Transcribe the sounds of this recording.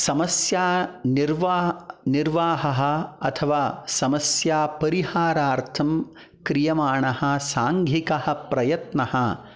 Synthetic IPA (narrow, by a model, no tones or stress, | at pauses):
sɐmɐsjaːniɾʋaːniɾʋaːɦɐɦɐ̆ɐ̰t̪ʰɐʋaːsɐmɐsjaːpɐɾihaːɾaːɾt̪ʰɐm | kɾijɐmaːɳɐhɐ̆saːŋɡʱikɐhɐ̆pɾɐjɐt̪nɐhɐ̆